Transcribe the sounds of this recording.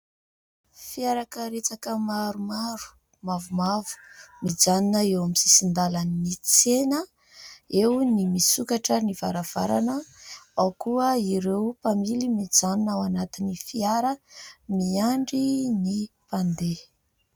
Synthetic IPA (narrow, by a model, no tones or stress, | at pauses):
fiaɾakəɾet͡sakəmaɾumaɾu̥ | mavumavu̥mid͡zaninəewamisisind̪alaninit͡senə | ewnimisukaʈ͡ʂəniv̥aɾav̥a̰ɾa̰nəawkuəiɾewpamilimid͡zaninawanat̪inifiaɾəmiaɳɖ͡ʐinipand̪e